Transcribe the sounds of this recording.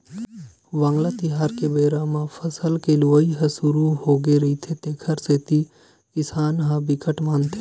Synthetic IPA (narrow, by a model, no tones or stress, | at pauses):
ʋãːŋɡlat̪ɪɦaːɾkebeːɾaːmãfʰəsəlkeluʋəiɦəsʊɾuɦoːɡeɾɐit̪ʰet̪ẽːkʰəɾset̪i | kɪsaːnɦãbɪkəʈmaːnt̪ʰe